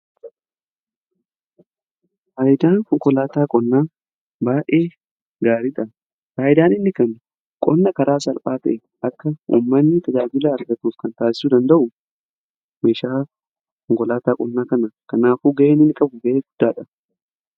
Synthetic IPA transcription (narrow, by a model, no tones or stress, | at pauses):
haːjɪd̪aːnkʊŋkʼɔlaːt̪aːkʼɔnːaː | baːʔe̞ː | ɡaːɾɪᶑ̪ʼɐ | haːjɪd̪aːnɪnːɪkɐn | kʼɔnːɐkɐɾaːsɐlpʼaːt̪ɐ̰ʔɛ | ɐkːɐṵːmːɐnːɪt̪ʰɐd͡ʒaːɡɪlaːɐɾɡɐt̪uːfkɐnt̪aːsɪ̥suːd̪ɐnd̪ɐʔʊ | me̞ːʃaː | kʊŋkʼɔlaːt̪aːkʼɔnːaːkɐnɐkɐnaːfuːɡɐʔeːnɪnːɪkʼɐbʊɡɐʔeːɡʊd̪ːaːᶑɐ